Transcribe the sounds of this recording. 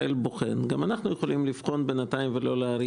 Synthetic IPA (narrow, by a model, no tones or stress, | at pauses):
elboχḛnɡamanaχnujeχolimlifχo̞nbenataimvelo̞leaɾi